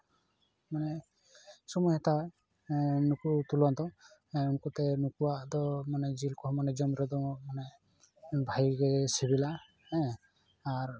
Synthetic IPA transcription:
manɛ | sɔmɔɦɛt̪aɦɔ | nukut̪ulant̪ɔɛunkɔt̪ɛnukuad̪ɔmanɛd͡ʒilkɔɦmanɛd͡ʒɔmɾɔd̪ɔmanɛ | bʱajɡesibila | ɛː | ɾ

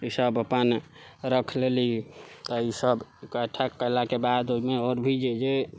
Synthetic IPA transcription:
isəbəpənɾəkʰlelit̪əisəbkəʈʰːəkːəjlakebad̪omeɔɾbʱid͡ʒed͡ʒe

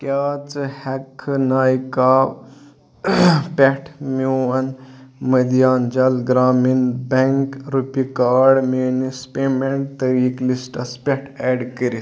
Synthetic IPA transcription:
kjaːt͡sɨhɛkʰːnaːjka | pʲɛʈʰmiwɐnməd̪ijaːnd͡ʒalɡɾaːminbɛŋkɾupikaːɽmenispemeɳʈ̚t̪əɾiːklisʈɐspɛʈʰɛɖkəɾi

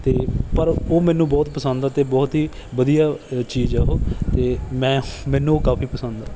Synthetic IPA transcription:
t̪eːpəɾoːmɛ̃ːnũːbɔːt̪pəsənd̪d̪aːt̪eːbɔːt̪ɦiːʋəd̪ijaːt͡ʃiːzɛɦoːt̪eːmɛ̃ːmɛ̃ːnũːkaːpʰiːpəsə̃nd̪aː

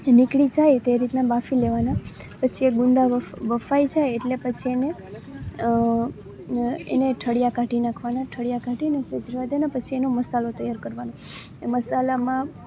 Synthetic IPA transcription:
nikɭid͡ʒajt̪eɾit̪nabafileʋana | pət͡ʃʰieɡʊnd̪aʋʋəfajd͡ʒajeʈlepət͡ʃʰiene | ḛneʈʰəɽjakaʈinãkʰʋanaʈʰəɽjakaʈʰinesəd͡ʒəɾʋad̪eanapət͡ʃʰienoməsalot̪əjaɾkəɾʋano | eməsalamã

